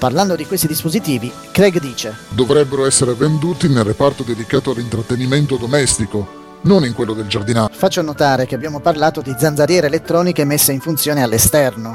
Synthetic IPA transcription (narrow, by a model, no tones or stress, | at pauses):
parland̪od̪ikwest̪id̪ispozit̪iːvi | kɾɛɡd̪iːt͡ʃed̪ovɾɛbːeɾoɛsːeɾevend̪uːt̪inelrːepart̪od̪ed̪ikaːt̪oalint̪ɾat̪ːeniment̪od̪omɛst̪iko | noniŋkwelːod̪eld͡ʒard̪inafat͡ʃːonot̪aːɾekeabjaːmoparlaːt̪od̪id̪zanzaɾjɛːɾeːlet̪ːɾɔːnikemesːeiɱfunt̪sjoːnealːest̪ɛrno